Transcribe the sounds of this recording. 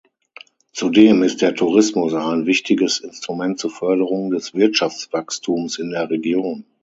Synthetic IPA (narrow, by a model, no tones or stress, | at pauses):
t͡sudeːmɪst̚d̥eːɐtʰuʁɪsmʊsaɪnvɪçtʰɪɡəsɪnstʁ̥umɛnt̚t͡suːɐfœɐɾəʁ̞ʊŋdɛsv̥ɪɐtʃaft͡sv̥akstʰuːmsɪndeːɐʁeɡjoːn